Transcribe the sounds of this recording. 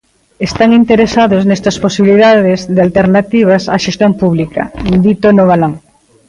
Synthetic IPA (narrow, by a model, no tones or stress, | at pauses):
est̪aŋint̪eɾesaðoznɛst̪ɐsposiβiliðaðezðɪalt̪eɾnat̪iβ̞ɐsaʃest̪jompuβlikɐ̰d̪it̪onoβalaŋ